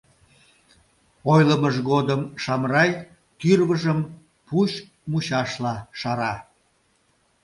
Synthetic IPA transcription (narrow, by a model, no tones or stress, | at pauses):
ojləməʒɣod̪əmʃɑmrɑj | t̪yrβəʒəm | puʃ | muɕɑʃlɑʃɑɾɑ